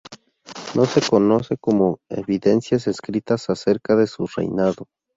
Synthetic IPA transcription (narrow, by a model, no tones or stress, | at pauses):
nʔo̞se̞kono̞sekomoḛβiðensjas̬eskɾit̪asaseɾkaðe̞surḛjnaðo